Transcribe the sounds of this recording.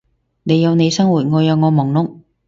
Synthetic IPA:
ne˨˧jɐ˨˧wne˨˧jsɐ˥ŋwuː˨˩t̚ŋɔː˨˧jɐ˨˧wŋɔː˨˧mɔː˨˩ŋnʊ˨˥ŋ̚

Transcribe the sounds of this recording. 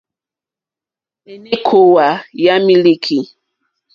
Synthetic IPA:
e˨ne˦kʰo˦wa˨ja˦mi˦li˦kʰi˨

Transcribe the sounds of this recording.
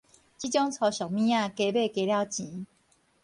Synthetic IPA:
t͡ɕi˦t͡ɕjɔ˦ŋt͡sʰɔ˧ɕɔ˨˩k̚mĩ˦jã˥˧ke˧˨be˥˨ke˧˦lja˥˧˨ʊt͡ɕĩ˨˦

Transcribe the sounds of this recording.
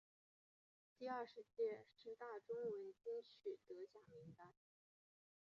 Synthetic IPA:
t̪i˥˧ɐ˞˥˩ʂɻ̩˧˥t͡ɕjɛ˥˧ʂɻ̩˥˧t̪a˥˩ʈ͡ʂʊ˥ŋwə˧˥nt͡ɕi˥ŋt͡ɕʰy˨˩t̪ɤ˧˥ɕja˨˩ŋmi˧˥ŋt̪a˥n

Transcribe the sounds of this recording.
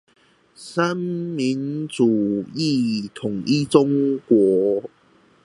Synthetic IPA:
sa˦mmi˨˦nt͡su˨˩i˥˧t̪ʰʊ˨˩ŋi˦t͡sʊ˦ŋkwɔ˨˦

